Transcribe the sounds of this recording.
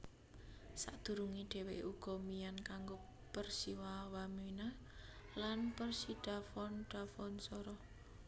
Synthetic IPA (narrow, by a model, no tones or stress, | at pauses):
saʔd̪̥ṳɾuŋiɖ̥e̤weʔuɡ̥ɔ̤mijankaŋɡo | pərsiwawamina | lanpərsiɖ̥a̤fɔnɖ̥a̤fɔnsɔɾɔ